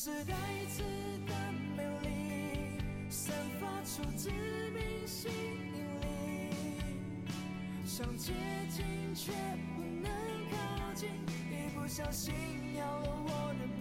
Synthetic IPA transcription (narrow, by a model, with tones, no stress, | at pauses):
ʂ̩˧˥t̪a˧ɪ˧t͡s̩ʰ˥˧ | t̪a˧ŋme˧li˧˩ | ʂə˧˥ŋfa˥ʈ͡ʂʰu˨˧˩ʈ͡ʂ̩˥ | mi˧˥ŋɕi˥ŋ | i˧˩ŋli˧ | ɕɑ˨˩ŋt͡ɕjɛ˥ | t͡ɕi˧˥ŋt͡ɕʰɥɛ˧˩ | pu˧˩nə˧˦ŋkʰɑ˥˧ʊt͡ɕi˥˧ŋ | i˧˩pu˧˩ɕjɑ˥ʊɕi˥˧n | jɑ˧˩ʊlə˧wɔ˨˩nə˩n